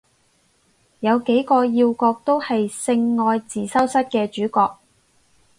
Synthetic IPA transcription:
jɐ˨˧wke˨˥jkɔː˧jiː˧wkɔː˧k̚t̪o˥whɐ˨jsɪ˧ŋːɔː˧jt͡siː˨sɐ˥wsɐ˥t̚kɛː˧t͡ʃyː˨˥kɔː˧k̚

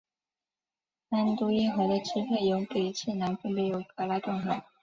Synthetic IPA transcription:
na˥nt̪u˥i˥xɤ˧˥d̪ə˧ʈ͡ʂʰɻ̩˥pʰe˥˩ɪjo˧˥ʊke˨˩ɪt͡ɕʰi˥˩na˧˥nfə˥˧npjɛ˧˥jo˨˧˩ʊkɤ˧˥la˥ʈ͡ʂ̪ʊ˥˩ŋxɤ˧˥˦

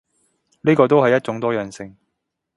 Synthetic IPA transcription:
niː˥kɔː˧t̪o˥whɐ˨jːɐ˥t̚t͡ʃʊ˨˥ŋt̪ɔː˥jœː˨nsɪ˧ŋ

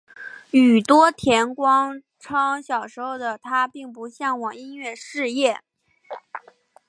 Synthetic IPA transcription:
y˨˩t̪wɔ˥t̪ʰjɛ˧˥nkwɑ˥ŋ | ʈ͡ʂʰɑ˥ŋɕjɑ˨˩ʊʂɻ̩˧˥oʊd̪ə˩t̪ʰa˥pi˥˩ŋpu˧˥ɕjɑ˥˩ŋwɑ˨˩ŋi˥nɥɛ˥˧ʂɻ̩˥˧jɛ˥˩

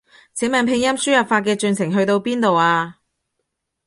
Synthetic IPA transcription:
t͡sʰɛː˨˥mɛː˨npʰɪ˧ŋjɐ˥msyː˥jɐ˨p̚faː˧t̚kɛː˧t͡ʃyː˨˧nsʰɪ˨˩ŋɦɵ˧ɥt̪o˧wpiː˥nt̪o˨waː˧

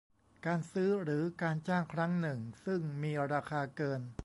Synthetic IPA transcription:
kaː˧nsɯː˦˥ɾɯː˩˦kaː˧nt͡ɕaː˥˩ŋkʰɾa˦˥ŋnɯ˨˩ŋsɯ˥˩ŋmiː˧ɾaː˧kʰaː˧kɤː˧n

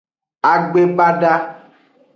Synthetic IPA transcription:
a˨ɡ͡be˦ba˦ɖa˦

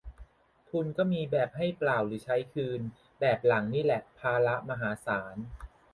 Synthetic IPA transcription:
t̪ʰu˧nkɔː˥˩miː˧bɛː˨˩p̚ha˥˩jplaː˨˩wɾɯː˩˦t͡ɕʰa˦˥jkʰɯː˧n | bɛː˨˩p̚la˩˦ŋniː˥˩lɛ˨˩ʔpʰaː˧la˦˥ʔma˧ɦaː˩˦saː˩˦n

